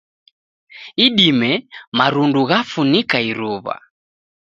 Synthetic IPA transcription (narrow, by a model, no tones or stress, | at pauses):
iɗimɛmaɾunduɣafunikaiɾuβa̰